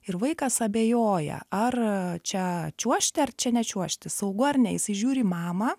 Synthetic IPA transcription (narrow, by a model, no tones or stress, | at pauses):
ɪɾʋɐɪkɐsɐbʲeːjoːjɛ̰ɐrt͡ʃʲɛt͡ʃʲuɔʃʲt̪ʲɪɐrt͡ʃʲɛnʲɛt͡ʃʲuɔʃʲt̪ʲɪsɐʊɡʊɐrʲnʲɛjɪsɪʒʲuːɾʲiːmɑːmɐ